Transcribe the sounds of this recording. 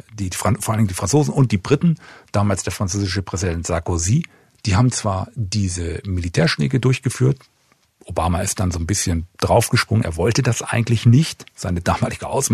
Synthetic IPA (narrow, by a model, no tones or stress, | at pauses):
d̥iːfafoːʔalndɪŋndiːfʁ̥ant͡soːzn̩ʊnt̚d̥iːbʁɪtn̩d̥aːmaːlsd̥eːɐfʁ̥ant͡søːzɪʃəpʁ̥ɛzidɛntz̥aɐkoziː | d̥iːhaːbm̩t͡sv̥aːɐdiːzəmilitʰɛːɐʃnɛ̰ːkədʊɐçɡ̥əfyːɐt | ʔobaːmaɪst̚d̥anzoːnbɪsçənd̥ʁaʊfɡ̥əʃpʁʊŋəneːɐvɔltədasʔa̰ɪɡŋ̩tlɪçnɪçtz̥aɪnədaːmaːlɪɡəʔa̰ʊs